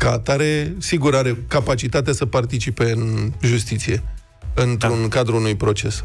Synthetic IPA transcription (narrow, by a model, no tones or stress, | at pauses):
kat̪aɾe̞siɡuɾaɾe̞kapat͡ʃit̪at̪easəpart̪it͡ʃipe̞ɨnʒust̪it̪sije̞ | ɨnt̪ɾunkad̪ɾuunujpɾo̞t͡ʃe̞s